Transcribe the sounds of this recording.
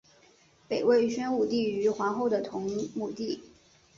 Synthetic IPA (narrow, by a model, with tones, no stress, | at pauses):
pe˨˩ɪwe˥˩ɪɕɥɛ˥nu˥˩t̪i˥˩y˧˥xwa˧˥nxo˥˩ʊd̪ə˩t̪ʰʊ˧˥ŋmu˨˩t̪i˥˩